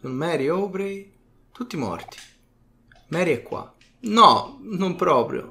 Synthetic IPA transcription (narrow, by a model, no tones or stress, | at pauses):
sunmɛːɾiopɾe | t̪ut̪ːimɔ̰rt̪i̥ | mɛːɾiɛkːwa̰ | nɔnumpɾɔːpɾjʊ̰